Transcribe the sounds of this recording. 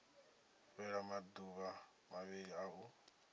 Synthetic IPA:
ɸɛɺamad̪uβa | maβiɺiau

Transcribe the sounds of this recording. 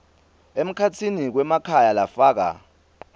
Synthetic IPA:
em̩kʰatʰinik̬wɛmakʰajalafaːk̬a̰

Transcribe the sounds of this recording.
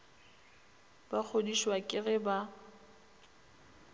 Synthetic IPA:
bak͡xʰodiʃwakʼɪɣɛba

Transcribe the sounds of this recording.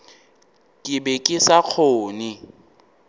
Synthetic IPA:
kʼɪbɛkʼɪsak͡xʰoːnɪ

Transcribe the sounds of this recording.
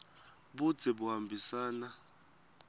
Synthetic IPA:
ɓud̥d͡z̥ʱɛɓuhambʱisaːna

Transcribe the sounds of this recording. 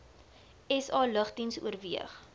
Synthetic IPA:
ɛsɑːləχdinsṵərviəχ

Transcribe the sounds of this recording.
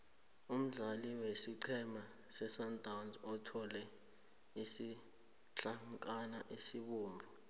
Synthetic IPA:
um̩ɮaliwesiǀʰɛma | sɛsantʼawnzɔtʰɔlɛ | isi | t͡ɬaŋkʼanaʔisiɓuːmbʱu

